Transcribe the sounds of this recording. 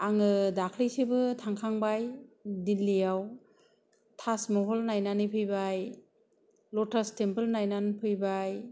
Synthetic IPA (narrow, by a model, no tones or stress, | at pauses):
aŋɯdakʰlɯjsebɯtʰaŋkʰaŋbajdilːijaw | tʰasmɔɦɔlnajnanipʰɯjbaj | lɔtʰastempɯlnajnanpʰɯjbaj